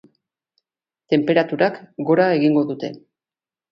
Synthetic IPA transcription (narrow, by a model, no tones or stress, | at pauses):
t̪e̞mpe̞ɾat̪uɾakɡo̞ɾae̞ɣiŋɡo̞ðut̪e̞̰